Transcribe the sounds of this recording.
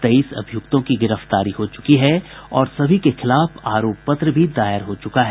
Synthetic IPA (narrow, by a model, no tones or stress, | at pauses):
t̪eiːsɐ̰bʱijʊk̚t̪õkiɡɪɾəft̪aːɾiɦot͡ʃʊ̥kiɦɛɔːɾsɐbʱikexɪlaːfaːɾoːpːɐt̪ɾəbʱid̪aːjəɾɦot͡ʃʊkaɦɛː